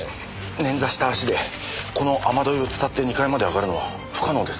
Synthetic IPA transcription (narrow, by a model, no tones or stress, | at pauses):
nẽ̞nd͡zaɕi̥t̪aːɕid̪e̞ | ko̞no̞ʔamad̪o̞io̞t͡sɨ̥t̪at̪ːe̞ɲ̟ikaimad̪e̞aɡaɾɯ̟no̞βa̰ | ɸɯ̥kano̞ːd̪e̞s